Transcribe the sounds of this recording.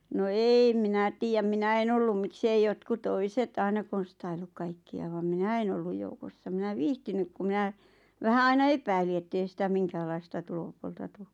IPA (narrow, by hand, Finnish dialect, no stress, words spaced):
no eːĭ minæ tiːjæm minæ en olːum miks ei jotku toiset ɑinɑ konstɑilːuk kɑikːiɑ ʋɑm minæ en olːuj joukosːɑ minæ ʋiːhtinyk ku mĭnæ ʋæhæ ɑinɑ epæili etːei sitæ miŋkæːlˑɑistɑ tulopuoltɑ tu